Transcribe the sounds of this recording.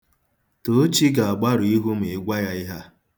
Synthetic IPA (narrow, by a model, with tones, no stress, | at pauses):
to˨˦t͡ʃi˦ɡa˨a˨ɡ͡ba˦ɾʊ˨i˦ɦu˦m̩˨e˨˦ɡʷa˦ja˦ɪ˦ɦa˦